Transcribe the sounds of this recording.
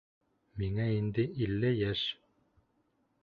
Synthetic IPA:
miŋæind̪ɘʔilːɘjæʃ

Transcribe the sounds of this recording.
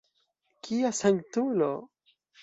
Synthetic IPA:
kʰiasaŋtulo

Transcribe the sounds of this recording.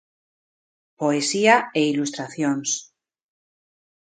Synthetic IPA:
poesiaeilust̪ɾaθjons

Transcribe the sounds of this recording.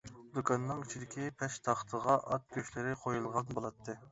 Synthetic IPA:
d̪okʰɑnːɨŋit͡ʃʰid̪ɪkʲʰipʰɛʃt̪ʰɑχt̪ʰəʁɑʔɑt̪̚ɡʲøʃlɪɾɪqʰojulˠʁɑnbolˠɑt̪ʰːɨ

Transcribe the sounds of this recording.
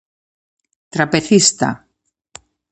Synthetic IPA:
t̪ɾapeθist̪a̰

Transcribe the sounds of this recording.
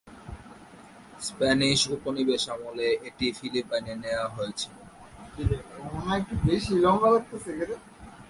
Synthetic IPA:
spɛniʃuponibeʃamoleʔeʈifilipaneneoaɦojet͡ɕʰio | inaek̚ʈubeʃilɔŋkalak̚t̪esekeɾe

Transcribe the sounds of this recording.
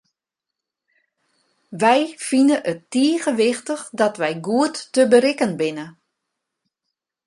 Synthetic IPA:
ʋɛjfinəʔətːiəːɣəʋɪxtəxdɔtʋɛjɡuətːəbəɾɪkənbɪnə

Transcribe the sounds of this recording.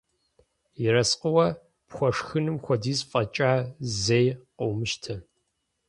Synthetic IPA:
jɪrɐsqʼəwɐ | pxʷɔʂxɨnɨmxʷɔdiːzfʼɐt͡ʃʼaːzejqowmɨʃtʰɐ

